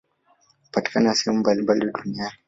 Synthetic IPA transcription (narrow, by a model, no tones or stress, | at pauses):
kupati̥kanasɛhɛmumbalimbaliaɗuniani